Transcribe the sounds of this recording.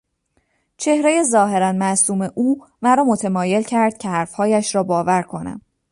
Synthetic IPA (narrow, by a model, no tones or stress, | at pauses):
t͡ʃʰe̞hɾe̞je̞zɒːɦe̞ɾænmæsuːme̞ʔuː | mæɾɒːmo̞t̪ʰe̞mɒːje̞lcʰæɾd̪̥̚cʲʰe̞hæɾfhɒːjæʃɾɒːbɒːvæɾkʰo̞næ̰m